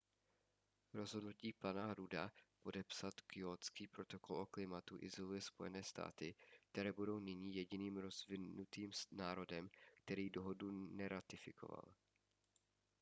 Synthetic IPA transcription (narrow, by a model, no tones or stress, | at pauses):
ɾo̞zɦodnuciːpanaɦɾudapo̞dɛpsat̪kjoːt͡skiːpɾo̞t̪o̞ko̞lʔoklɪmat̪uʔɪzolujɛspo̞jɛnɛːst̪a̰ːt̪ɪk̚t̪ɛɾɛːbudo̞wnɪɲiːjɛɟɪniːmɾozvɪnut̪iːmnaːɾo̞dɛmkt̪ɛɾiːdo̞ɦodunɛɾat̪ɪfɪkʰo̞̰va̰l